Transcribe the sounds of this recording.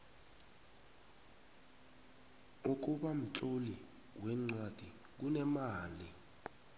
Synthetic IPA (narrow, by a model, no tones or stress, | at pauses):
uk̬uɓam̩t͡ɬʼoli | wɛŋ͡ǀwad̥ʱi | k̬unɛmaːli